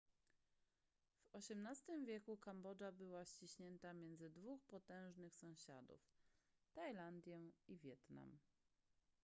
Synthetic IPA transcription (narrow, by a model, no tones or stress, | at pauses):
v̥ɔɕɛmnast̪ɘmvʲjɛkukambɔd͡ʐabɘwaɕt͡ɕiɕɲɛnt̪amʲjɛnd̪zɘd̪vuxpɔt̪ɛ̃w̃ʐnɘxsɔ̃w̃ɕa̰d̪ṵf | t̪ajland̪ʲjɛivʲjɛt̪na̰m